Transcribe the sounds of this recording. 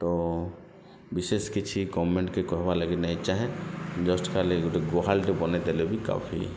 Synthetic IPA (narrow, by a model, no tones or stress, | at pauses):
t̪o | bɪseskit͡ʃʰikɔmẽɳʈkekɔɦbaləɡenat͡ʃaɦɛ̃d͡ʒɔsʈkalekʈeɡoɦalʈepɔnet̪elebʱika̰ːpʰḭ